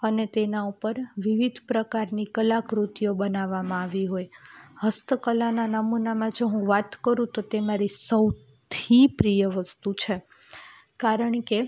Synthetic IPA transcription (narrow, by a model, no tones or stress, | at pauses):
ənet̪enaupəɾʋiʋid̪ʱpɾəkaɾnikəlakɾut̪ijobənaʋamãaʋiɦojhəst̪əkəlananəmunamãd͡ʒoɦũʋat̪kəɾũt̪ot̪emaɾisəw | t̪ʰipɾijəʋəst̪ut͡ʃʰe | kaɾəɳke